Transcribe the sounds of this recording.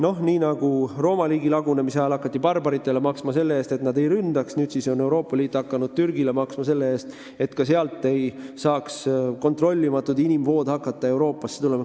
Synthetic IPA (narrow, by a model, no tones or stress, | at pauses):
no̞hniːnɑɡ̥uro̞ːmɑliːɡilɑɡunemisɑjɑlɑkːˑɑt̪ːipɑrbɑɾit̪ːˑe̞le̞mɑksmɑse̞lːee̞ːst̪e̞t̪nɑd̪e̞jɾynd̪̥ɑksnyːd̪̥siso̞ne̞wɾo̞ːpːˑɑliːt̪ːˑɑkːɑnud̪̥̚t̪yrɡ̥ile̞mɑksmɑse̞lːe̞e̞ːst̪ | e̞t̪ːkɑs̬e̞ɑlt̪ˑːe̞jsɑːksko̞nt̪ro̞lʲːimɑt̪ːˑud̪inimvo̞ːd̪̥hɑkːˑɑt̪ːɑe̞wɾo̞ːpːˑɑsːet̪ule̞mɑ